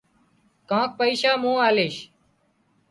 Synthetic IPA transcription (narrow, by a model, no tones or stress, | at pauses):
kãːk̚pəiːʃaːmũːaːleːʃ